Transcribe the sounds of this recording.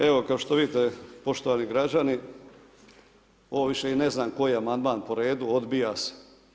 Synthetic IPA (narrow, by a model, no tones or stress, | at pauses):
e̞ʋo̞kaoʃt̪oʋid̪it̪epo̞ʃt̪oʋaːniɡɾad͡ʑani | o̞ʋoʋiʃe̞ine̞znaːmko̞jiamand̪maːnpo̞ɾe̞ːd̪uo̞d̪bijaːse̥